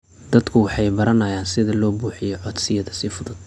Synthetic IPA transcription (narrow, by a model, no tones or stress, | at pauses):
d̪̥ɐd̪kʰʊwɑħɑjbɐɾɐnɐjaːnsɪðɐlɔːbuːħɪjɔʕɔd̪sɪjɐðɐsɪfʊðʊd̪̚